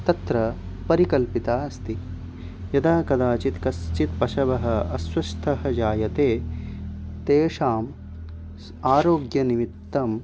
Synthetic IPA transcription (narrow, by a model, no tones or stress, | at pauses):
t̪ɐt̪ɾɐ | pɐɾikɐlpit̪aːɐst̪i | jɐd̪aːkɐd̪aːt͡ʃit̪kɐst͡ʃit̪pɐʃɐbɐɦɐɐswɐʃt̪ʰɐɦɐ̆d͡ʒaːjɐt̪eː | t̪eːʂaːm | aːɾoːɡjɐnimit̪ːɐm